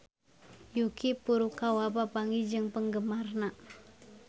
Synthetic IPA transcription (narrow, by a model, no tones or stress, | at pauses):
jukipuɾukawapapaŋid͡ʒɨŋpəŋɡəmarna